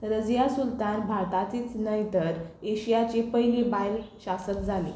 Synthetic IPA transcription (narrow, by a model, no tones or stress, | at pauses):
ɾəd͡zjasult̪anbʱaɾt̪at̪iːt͡snəjt̪əɾeɕijat͡ɕepəɦjlibajlɕasək̪d͡zʱale